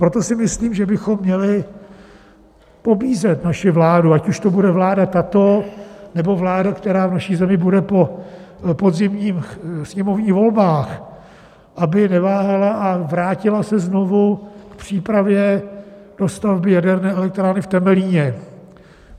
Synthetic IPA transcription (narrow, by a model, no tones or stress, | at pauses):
pɾo̞t̪o̞sɪmɪsliːmʒɛbɪxo̞mːɲɛlɪ | po̞biːzɛt̪naʃɪvlaːduacuʃt̪o̞budɛvlaːdat̪at̪o̞nɛbo̞vlaːdakt̪ɛɾaːvnaʃiːzɛmɪbudɛpo̞ | pod̪zɪmɲiːmsɲɛmo̞vɲiːɣvo̞lbaːx | ʔabɪnɛvaːɦalaavɾaːcɪlasɛzno̞vukpr̝̥iːpɾavjɛd̥o̞st̪avbɪjadɛɾnɛːɛlɛk̚t̪ɾaːnɪft̪ɛmɛliːɲɛ